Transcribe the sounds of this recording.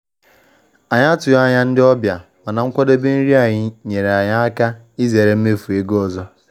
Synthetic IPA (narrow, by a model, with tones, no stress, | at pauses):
a˨ɲa˦a˦tʊ˨ja˦ɲa˦n̩˦dɪ˦ɔ˦bja˨ma˨na˨ŋ̩˦kʷɔ˦de˦bɪ˦n̩˦ɾi˦a˨ɲɪ˨ɲe˨ɾe˨a˨ɲa˦a˦ka˦ | i˦ze˨ɾe˨m̩˦me˦fu˨e˦ɡo˦ɔ˨zɔ˦